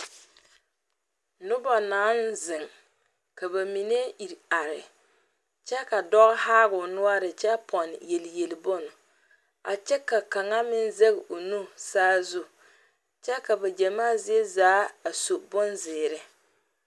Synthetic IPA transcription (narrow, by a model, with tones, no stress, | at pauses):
nʊ˦ba˨naː˨˦nzɪ˨ŋ | ka˨βa˨mi˨ne˦ʔi˨ɾa˨ɾɪ˨ | t͡ʃɛ˦ka˨dɔ˦ɣhaː˦ɣʊ˨nʊ˦a˦ɾɪ˨t͡ʃɛ˦pʰɔ˨nje˨lje˨lɪ˨bʊ˦nʊ˨ | a˨t͡ʃɛ˦ka˨ka˨ŋa˦mɪ˦nze˦ɣɪ˨o˨nu˦saː˦zʊ˦ | t͡ʃɛ˦ka˨ba˨d͡ʒɛ˨maː˦zɪ˦e˦zaː˨˦a˨so˨bʊ˦nzɪː˨ɾɪ˨˦